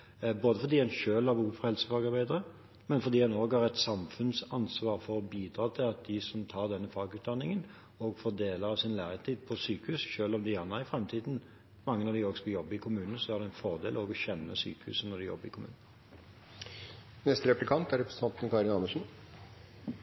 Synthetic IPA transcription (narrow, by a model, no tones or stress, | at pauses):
boːd̪əfɔɾd̪iːɛnʃøːlɑʋuːfhɛlsə̥fɑːɡɑɾbæɪd̪əʁə | mɛnfɔɾd̪iːhɑnoːɡhɑɾɛt̪sɑmfʉnsɑnsʋɑːɾfɔɾɔbiːd̪ɾɑːt̪ʰɪlɑt̪̚d̪ɪsɔmt̪ʰɑːɾd̪ɛnːəfɑːɡʉːt̪̚d̪ɑnːɪŋən | ɔɡfɔd̪eːləɾɑʋsɪnlæːɾɪt̪ʰiːd̪pʰɔsyːkəhʉsʃøːlɔmd̪ɪɑnːɑɪfɾɛmt̪ʰiːd̪n̩ | mɑŋːənɑd̪ɪoɔːɡsɔkɔjɔbːəɾɪkʰʊmʉːnən̩sɔæɾd̪ɛɪnfɔʁd̪eːlɔːɡɔçɛnːə̰syːkəhʉ̰ːsənɔd̪ɪjɔ̰bːəɾɪkʰʊmʉ̰ːnən | nɛst̪əɾɛplɪkʰɑnt̪æɾɛpɾɛsə̥ɑnt̪n̩kʰɑɾɪnɑməʂn̩